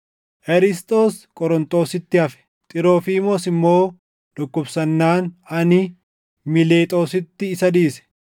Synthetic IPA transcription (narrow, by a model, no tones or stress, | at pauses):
ʔɛɾɪst̪ʼo̞ːskʼɔɾɔnt̪ʼo̞ːsɪt̪ːɪɐfɛ̥ | t̪ʼɪɾo̞ːfiːmosɪmːo̞ː | d̪̥ɔkːɔbsɐnːaːnɐnɪ | mɪleːt̪ʼo̞ːsɪt̪ːɪːsɐd̪iːsɛ̥